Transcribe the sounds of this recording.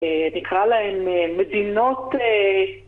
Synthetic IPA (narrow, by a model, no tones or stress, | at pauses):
enikʁalaemmːedino̞te